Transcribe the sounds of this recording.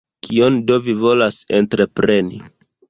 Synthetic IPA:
kʰio̞ndo̞vivo̞lase̞ntɾe̞pɾe̞ni

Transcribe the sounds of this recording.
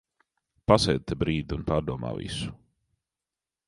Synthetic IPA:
pasɛːd̪̚t̪ɛbɾiːd̪iunpaːɾd̪uɔma̰ːvḭsu̥

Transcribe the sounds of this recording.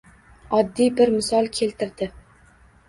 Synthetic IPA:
ɒd̪ːijbɪɾmɪsɒlˠkʲʰe̞lt̪ɪɾd̪ɪ

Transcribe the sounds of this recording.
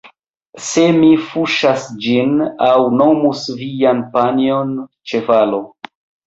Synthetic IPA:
se̞mifuʃasd͡ʒinawnomusvijanpaniont͡ʃe̞valo̞

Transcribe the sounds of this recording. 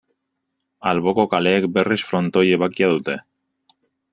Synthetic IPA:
alβo̞ko̞kale̞ːk̚be̞risfɾo̞nt̪o̞je̞β̞akiaðut̪e̞

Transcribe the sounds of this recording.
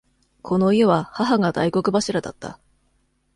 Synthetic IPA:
kʰo̞no̞ije̞βahaɦaŋad̪a̰iko̞kɯ̟baɕiɾad̪a̰t̪ːa̰

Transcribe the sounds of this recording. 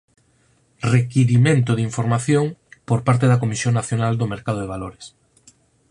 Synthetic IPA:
rekiɾimẽnt̪̬ʊðiɱfoɾmaθjoŋpoɾpaɾt̪eðɐkomisjoŋnaθjonald̪omeɾkað̞oðeβ̞aloɾes

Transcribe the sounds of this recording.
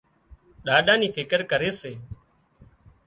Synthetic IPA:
ɗaːɗãːniːfʰɪkəɾkəɾeːseː

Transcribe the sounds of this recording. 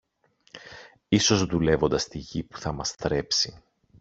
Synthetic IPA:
iso̞zðule̞vo̞nd̪ɐst̪iʝipu̥θɐmɐsθɾe̞psi

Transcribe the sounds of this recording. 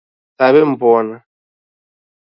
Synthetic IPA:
aβɛm̩bɔna

